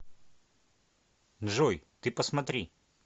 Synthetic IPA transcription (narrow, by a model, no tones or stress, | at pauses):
nʐojt̪ɨpəsmɐt̪ɾʲi